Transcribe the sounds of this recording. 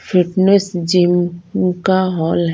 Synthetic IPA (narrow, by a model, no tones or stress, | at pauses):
fʰiʈnesd͡ʒimkaɦɔlɦ